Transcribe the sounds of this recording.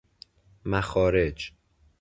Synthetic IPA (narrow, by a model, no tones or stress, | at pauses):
mæxɒːɾed͡ʒ